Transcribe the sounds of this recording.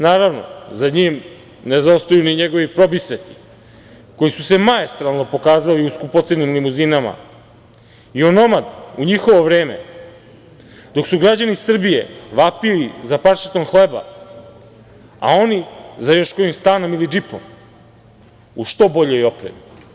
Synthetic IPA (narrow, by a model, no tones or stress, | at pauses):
naːɾaʋno̞̰zaɲiːm | ne̞zaost̪ojuniɲe̞ɡo̞ʋipɾo̞bisʋet̪i̥ | ko̞jisuse̞maest̪ɾalˠno̞po̞kaːzaliuskupot̪senimlimuzinama̰ | io̞no̞mad̪uɲixo̞ʋo̞ʋɾe̞ːme̞̰ | d̪o̞ksuɡɾad͡ʑanisr̩bije̞̰ʋapilizapaɾʃi̥t̪o̞mxleba̰ | a̰o̞nizajo̞ʃkoimst̪aːno̞milid͡ʒipo̞̰m | uʃt̪o̞bo̞ʎo̞jo̞pɾe̞̰mi